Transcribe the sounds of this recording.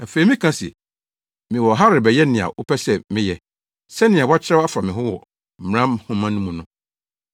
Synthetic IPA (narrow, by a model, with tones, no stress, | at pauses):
na˨fe˨i˨mĩ˦kʰã˦sḭ˨ | mɪ̃˨wɔ˨ɦa˦ɾɪ˨bɛ˨jɛ˦nɪ̃˨a̰˨ʔʊ˦pʰɛ˦sɛ˦mɪ̃˦jɛ˨ | sɛ˦nɪ̃˨ã˨wa˦t͡ɕʰɪ˦ɾa˦a˦fa˨mɪ̃˨ɦʊ̃˦wɔ˨ | m̩˨mɾã˦mhʊ̃˦mã˦nũ˦mũ˨nʊ̃˦